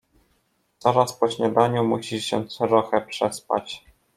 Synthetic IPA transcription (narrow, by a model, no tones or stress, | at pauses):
t̪sɔɾaspɔɕɲad̪aɲumuɕiɕɛt̪sɔɾɔxɛpʂɛspa̰t͡ɕ